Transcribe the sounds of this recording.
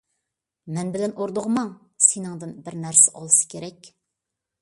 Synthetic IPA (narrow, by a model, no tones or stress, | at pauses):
mɛnbɪlɛnoɾd̪oʁmɑŋ | senɨŋd̪ɨnbɪɾnæɾsɛʔɑlˠɨsɨ̥kʲʰeɾɛkʲ